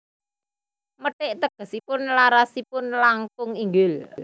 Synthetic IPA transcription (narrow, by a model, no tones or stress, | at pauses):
məʈɪʔt̪əɡ̥ə̤sipʊnlaɾasipʊnlaŋkʊŋiŋɡʊl